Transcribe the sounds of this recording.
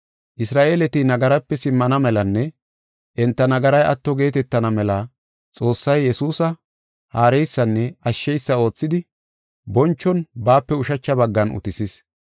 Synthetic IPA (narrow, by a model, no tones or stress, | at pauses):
ʔɪsɾaːʔeːlɛt̪ɪnɐɡɐɾɐpːɛsɪmːɐnɐmɛlɐnːɛ | ʔɛnt̪ːɐnɐɡɐɾɐjʔɐ̰t̪ːɔɡe̞ːt̪ɛt̪ːɐnɐmɛlɐ | t͡sʼo̞ːsːɐjːɛsuːsɐ | haːɾɛjsːɐnːɛɐʃːɛjsːɐo̞ːt͡sːɪd̪ɪ | bɔnt͡ʃːɔnbaːpːɛʊʃɐt͡ʃːɐbɐɡːɐnʊ̰t̪ɪsɪs